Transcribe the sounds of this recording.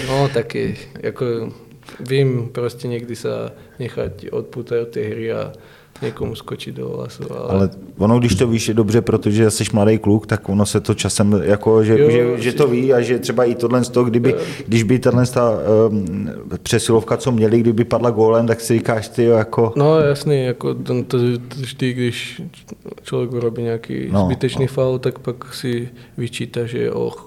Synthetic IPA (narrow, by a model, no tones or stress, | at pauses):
not̪akɛ̰jako | ʋiːmpɾoscɛɲɛɡd̪isa̰ | ɲɛxa̰co̰t̪̚puːt̪aɟot̪̚ːɛɦɾia̰ | ɲɛkomuskot͡ʃiɟd̪o̰ɦla̰sṵa̰lalɛvonoɡdɪʃt̪oviːʃɛdobrɛpɾot̪oʒɛsɛʃmladɛjklukt̪akonosɛt̪ot͡ʃasɛmjakoʒɛʒɛʒɛt̪oviːaʒɛt̪r̝̥ɛbaɪt̪odlɛnst̪oɡdɪbɪɡdɪʒbɪt̪adlɛnst̪a | pr̥ɛsɪlofkat͡so̞mɲɛlɪɡdɪʒbɪpadlaɡolɛmt̪aksɪrikaːʃt̪ɪjojako̞nojasnijakot̪ɛnt̪ot̪ʒd̪iɡdɪʃ | t͡ʃlovjɛɡvɪɾobiːɲɛakḭːnozbɪt̪ɛt͡ʃniːfalt̪akpaksɪvɪt͡ʃiːt̪aʒɛɛ̰ʔo̰x